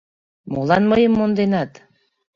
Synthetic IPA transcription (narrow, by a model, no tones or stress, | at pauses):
molɑnməjəmːond̪enɑt̪